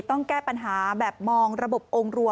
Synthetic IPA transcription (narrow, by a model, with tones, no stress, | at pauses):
t̪ɔ˥˩ŋkɛː˥˩pa˧nɦaː˩˦bɛː˨˩p̚mɔː˧ŋɾa˧bo˨˩p̚ʔoː˧ŋɾu˧ə